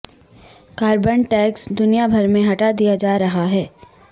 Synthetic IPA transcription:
kaːɾbənʈɛːksd̪ʊnijabʱɐɾmẽɦɐʈad̪ijad͡ʒaːɾɐɦaɦɛː

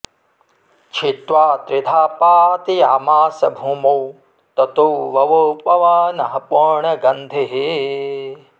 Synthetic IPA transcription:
t͡ʃʰit̪ʋaːt̪ɾɪd̪ʰʱaːpaːt̪ijaːmaːsɐbʱuːmow | t̪ɐt̪uʋɐʋopɐʋɐnɐɦɐpoɾɳɐɡɐnd̪ʱeɦe

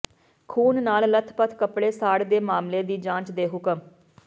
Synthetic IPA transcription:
kʰuːnnaːllət̪ʰpət̪ʰkəpɽeːsaːɽd̪eːmaːmleːd̪iːd͡ʒãːt͡ʃd̪eːɦʊkəm

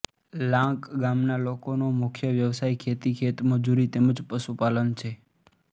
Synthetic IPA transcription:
lãkɡamnalokonomukʰjəʋjəʋsajkʰet̪ikʰet̪məd͡ʒuɾit̪eməd͡ʒpəʃupalənt͡ʃʰe

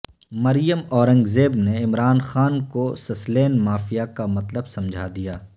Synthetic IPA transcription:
mɐɾijəmɔːɾə̃ŋɡzeːbneɪmɾaːnxaːnkosɐsleːnmaːfijakamɐt̪ləbsɐ̃md͡ʒʱad̪ijaː

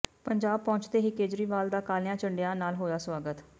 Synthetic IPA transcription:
pəɲd͡ʒaːb̚pɔ̃ːɲt͡ʃd̪eːɦiːkeːd͡ʒɾiːʋaːld̪aːkaːlɪãːt͡ʃəɳɖejãːnaːlɦoːjaːswaːɡət̪

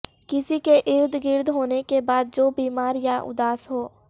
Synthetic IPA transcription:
kɪsikeʔɪɾd̪ɡɪɾd̪ɦoːnekebaːd̪̚d͡ʒoːbiːmaːɾjaʔʊ̰d̪aːsɦoː

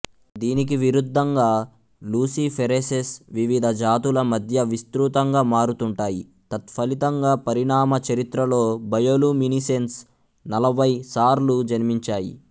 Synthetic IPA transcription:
d̪iːnik̬iʋiɾud̪ʱːɐŋɡaː | luːsipʰeɾesesʋiʋid̪ʱɐd͡ʒaːt̪ulɐmɐd̪ʱjɐʋist̪ɾuːt̪ɐŋɡaːmaːɾut̪uɳʈaːji | t̪ɐt̪fʰɐlit̪ɐŋɡaːpɐɾiɳaːmɐt͡ʃɐɾit̪ɾɐlo̞ːbɐjoluminisens | nɐlɐbʱɐjsaːɾlud͡ʒɐnmiɲt͡ʃaːjḭ

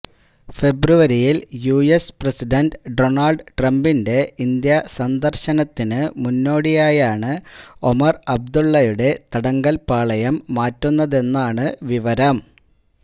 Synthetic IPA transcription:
fe̞bruʋɐɾijiljuːesprɐsiɖɐnɖɖo̞ɳɐlɖʈrɐmbinde̞ind̪jɐsɐnd̪ɐrɕɐnɐt̪ːinɨmunːo̞ːɽijaːjaːɳɨo̞mɐrɐb̚d̪uɭːɐjuɽe̞t̪ɐɽɐŋɡɐlpaːɭɐjɐmːaːtːunːɐðe̞nːaːɳɨʋiʋɐɾɐm

